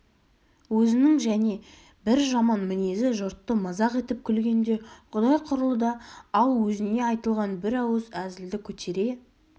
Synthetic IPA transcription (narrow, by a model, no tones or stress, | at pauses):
wɵzɪnɪŋʒæne̞ | bɪɾʒɑmɑnmɪnezɪʒʊɾt̪ːəmɑzɑqe̞t̪ɪp̚kʲʰʏlɡʲe̞nd̪e̞qʰʊd̪ɑjqʰʊɾəlˠəd̪ɑɑlˠwɵzɪne̞ɑjt̪əlˠʁɑnbɪɾɑwəzæzɪld̪ɪkʲʰɵt̪ʰe̞ɾe̞